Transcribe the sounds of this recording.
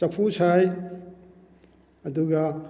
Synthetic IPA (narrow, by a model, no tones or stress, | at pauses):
t͡ʃɐpʰusaj | ɐduɡɐ